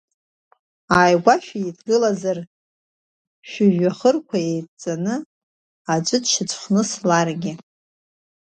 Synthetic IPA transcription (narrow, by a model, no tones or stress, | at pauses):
aːjɡʷaʃᶣaidɡɨlazar | ʃᶣʊʒᶣaχərkʷʰaejt͡sʼanɨ | ad͡ʒʷʼɨdʃɪt͡sʷʰʼχʷnɨslarɡʲɪ